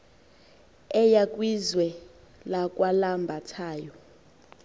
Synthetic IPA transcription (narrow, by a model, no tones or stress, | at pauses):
ɛjakʼwizwɛ | lakʼwalambʱatʰaːjɔ